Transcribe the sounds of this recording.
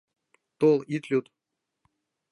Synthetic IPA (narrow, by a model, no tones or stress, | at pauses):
t̪olˠit̪lʲut̪